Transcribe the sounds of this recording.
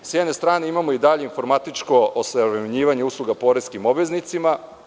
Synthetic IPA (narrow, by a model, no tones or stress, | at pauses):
sjene̞st̪ɾaːne̞imamoid̪aʎeinfo̞ɾmat̪it͡ʂkoosaɾemɲiːʋaɲe̞uslˠuɡapo̞ɾeskimobʋe̞znit̪sima